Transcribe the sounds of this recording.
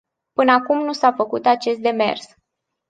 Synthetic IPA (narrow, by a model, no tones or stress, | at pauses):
pɨnəakumnusafəkut̪at͡ʃe̞st̪̚d̪e̞me̞̰rs